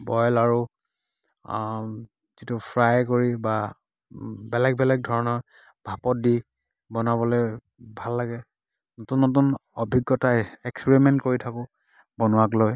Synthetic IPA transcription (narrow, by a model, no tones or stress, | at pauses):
bɔjlaɹu | zitupʰɹajkoɹiba | bɛlɛk̚bɛlɛk̚dʱɔɹɔnɔɹ | bʱapɔt̚di | bɔnabɔloj | bʱalːaɡɛ | nɔtunːɔtunɔbʱiɡːɔtaɛkspeɹimɛntkoɹitʰakʊ | bɔnʊwakloj